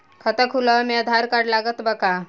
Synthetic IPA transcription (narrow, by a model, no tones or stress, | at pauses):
kʰət̪əkʰuləmed̪ʱaɾkaɖlaɡət̪bəka